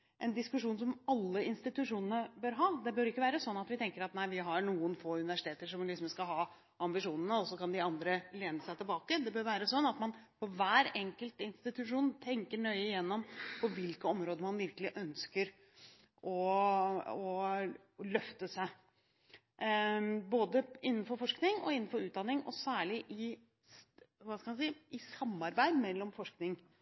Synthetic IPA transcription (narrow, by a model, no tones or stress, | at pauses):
ʔɛnd̪ɪskʉʂuːnsɔmɑlːəɪnst̪ɪt̪ʉʂuːnənəbøːɾɦɑːd̪ɛbøːɾɪkːəʋæːɾəsɔnːɑt̪ʋɪt̪ʰɛŋkəɾɑt̪næɪʋɪɦɑɾɳuːənfoːʉnɪʋæʂɪt̪ʰeːt̪əʂɔmlɪksɔmskɑɦɑː | ɑmbɪʂuːnənəɔsɔkɑnd̪ɪɑnd̪ɾəleːnəsæɪt̪ɪlbɑːkəd̪ɛbøːɾʋæːɾəsɔnːɑt̪mɑnpʰɔʋæːɾɛŋkəlt̪ɪnst̪ɪt̪ʉʂuːnt̪ʰɛŋkəɳœʏəɪjɛnːɔmpʰɔʋɪlkəɔmɾoːd̪əmɑnʋɪɾkəlɪʔœnskəɾ | ʔɔ | ɔ | lœft̪əsæɪ | boːd̪əɪnːn̩fɔɾfɔʂknɪŋɔ̰ɪnːn̩fɔɾʉːt̪̚d̪ɑnːɪŋɔ̰sæːɭɪʔɪ | ʋɑskɑmɑnsiːʔɪsɑmːɑɾbæɪd̪mɛlːɔmfɔʂknɪŋ